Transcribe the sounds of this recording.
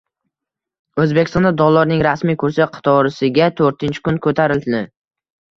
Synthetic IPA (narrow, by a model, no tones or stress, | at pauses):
ɵzbekʲɪst̪ɒnd̪ad̪ɒlˠːɒɾnɪŋɾasmijkʰʊɾsɪqʰɨ̥t̪ʰɒɾɪsɪɡʲat̪ʰɵɾt̪ʰɪnt͡ʃʰɪ̥kʊnkʰɵt̪ʰaɾɪld̪ɪd̪ɪ